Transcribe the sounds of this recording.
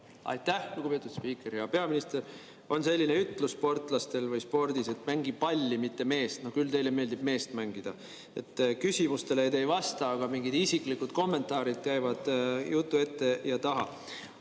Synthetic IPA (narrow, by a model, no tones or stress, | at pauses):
ɑ̰jt̪ːˑæhluɡub̥pet̪ːˑud̪̥spiːkˑe̞ɾjɑpe̞ɑminist̪er | o̞nse̞lʲːineyt̪ːˑluspo̞rt̪ˑlɑst̪e̞lvɯjspo̞rd̪̥ise̞t̪mæŋɡipɑlʲːimit̪ːe̞me̞ːst̪no̞hkylt̪e̞jleme̞ːld̪ib̥me̞ːst̪mæŋɡ̥id̪̥ɑ | e̞t̪ːkysʲimust̪e̞lejt̪e̞jvɑst̪ɑɑɡ̥ɑmiŋɡid̪̥isikˑlikːud̪̥ko̞mːe̞nt̪ːˑɑːɾid̪̥̚kæjvɑd̪̥jut̪ːue̞t̪ːe̞jɑt̪ɑɦɑ̰